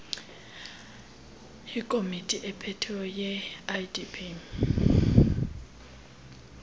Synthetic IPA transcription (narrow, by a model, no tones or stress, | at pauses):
ikʼomitʼiʔɛpʰɛtʰɛɔjɛadipʰi